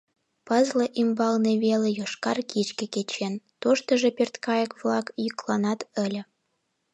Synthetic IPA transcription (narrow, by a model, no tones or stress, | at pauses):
pəzləʔimbɑlneβelejoʃkɑrkit͡ɕkĕket͡ɕent̪oʃt̪əʒepert̪kɑjəkβlɑkjyklɑnɑt̪əlʲə